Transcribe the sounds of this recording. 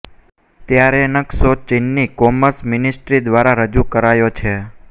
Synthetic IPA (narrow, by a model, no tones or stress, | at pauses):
t̪jaɾenəksot͡ʃɪnːikɔməɾsmɪnɪsʈɾid̪ʋaɾaɾəd͡ʒukəɾajot͡ʃʰe